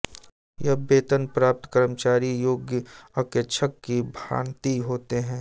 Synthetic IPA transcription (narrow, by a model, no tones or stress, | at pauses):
jɐɦbeːt̪ənpɾaːp̚t̪kəɾəmt͡ʃaːɾijoːɡjəɐkjəʃʰəkːibʱa̰ːɳt̪iɦoːt̪eɦɛ̃ː